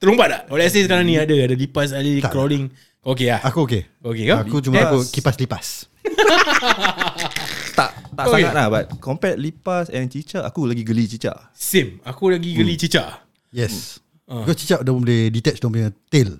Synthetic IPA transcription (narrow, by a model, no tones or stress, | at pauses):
t̪əlumpat̚laʔolɛs̬iskaɾaŋnĩadəadəlipas̬alit̪akɾoliŋ | ok̬eahakuoke | okekaakut͡ʃumaakukipaslipas | t̪a̰ʔt̪aʔsaŋat̪̚lahbat̪̚kɔmpɛt̪̚lipasɛ̃nt͡ʃit͡ʃaʔakulaɡiɡəlit͡ʃit͡ʃa̰ʔ | simakulaɡiɡəlit͡ʃit͡ʃaʔ | jɛs | əkɔst͡ʃit͡ʃaʔdapə̃mbolɛdit̪ɛt͡ʃdompəŋãt̪el